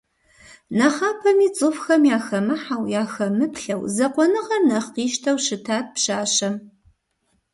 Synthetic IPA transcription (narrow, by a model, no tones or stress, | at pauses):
nɐχɑːpʰɐmiːt͡sʼɨfxɐmjaːxɐmɨħawjaːxɐmɨpɬɐwzɐqʷɔnɨʁɐrnɐχqiːʃtʰɐwʃɨtʰaːt̚pʃaːɕɐm